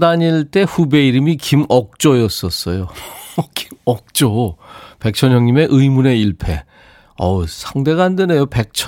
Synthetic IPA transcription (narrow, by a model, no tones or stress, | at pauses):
daɲiɭt͈e̞ɸube̞iɾɯmikimʌk̚t͡ɕ͈ojʌs͈ʌs͈ʌjoki̥mʌk̚t͡ɕ͈ope̞k̚t͡ɕʰʌɲjʌŋɲime̞ʔɯjmune̞iɭpʰe̞ | ʌsʰaŋde̞ɡaandenejope̞k̚t͡ɕʰ